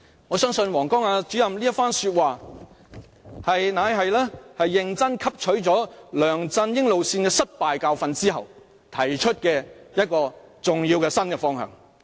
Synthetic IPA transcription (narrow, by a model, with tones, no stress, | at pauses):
ŋɔː˨˧sœː˥ŋsɵ˧nwɔː˨˩ŋkɔː˥ŋaː˨˧t͡syː˨˥jɐ˨mliː˥ɐ˥t̚faː˥nsyː˧t̚waː˨ | hɐ˨jnaː˨˧jɦɐ˨jlɛː˥hɐ˨jːɪ˨ŋt͡sɐ˥nkʰɐ˥p̚t͡ʃʰɵ˨˥ɥt͡ʃɔː˨˥lœː˨˩ŋt͡sɐ˧njɪ˥ŋlo˨wsiː˧nkɛ˧sɐ˥t̚paː˨jkaː˧wfɐ˨˧nt͡siː˥ɦɐ˨w | t̪ʰɐ˨˩jt͡ʃʰɵ˥t̚kɛː˧jɐ˥t̚kɔː˧t͡sʊ˨˩ŋjiː˧wkɛ˧sɐ˥nkɛ˧fɔː˥ŋhœ̰ː˨˩ŋ